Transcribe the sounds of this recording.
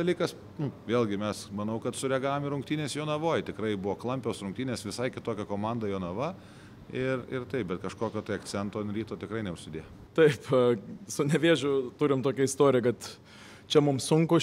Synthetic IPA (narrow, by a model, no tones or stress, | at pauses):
ɐlʲiːkɐs | nʊʋʲeːlˠɡʲɪmʲɛsmɐnɐʊkɐt̪sʊɾʲɛɡɑːʋomɪɾʊŋk̚t̪ʲiːnʲeːsjoːnɐʋoːjt̪ʲɪkrɐɪbʊʋoːklˠɐmʲpʲoːsrʊŋkt̪ʲiːnʲeːsʋʲɪsɐɪkʲɪt̪oːkʲɛkoːmɑnd̪ɐjoːnɐʋɐ | ɪrɪrt̪ɐɪp̚bʲɛt̪kɐʃkoːkʲoːt̪ɐɪɐkt͡sʲɛnt̪oːɪnɾʲiːt̪oːt̪ʲɪkrɐɪnʲɛʊʃʲsʲɪd̪ʲeːjomt̪ɐɪpsʊnʲɛʋʲeːʒʲʊt̪ʊɾʲɪmt̪oːkʲɛɪst̪oːɾʲɪjɛkɐt̪ | t͡ʃʲɛmʊmsʊŋkʊ